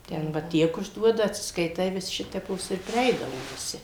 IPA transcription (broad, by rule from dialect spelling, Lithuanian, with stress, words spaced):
ˈtʲɛn ʋɐ ˈtʲiɛk ʊʒˈduɔdɐ ɐtʲsʲɪskɐɪˈtɐɪ ʋʲɪs ˈʃʲɪtʲɛpoːs ɪr pʲrʲɪˈɛɪdɐʋoː ʋʲɪˈsʲɪ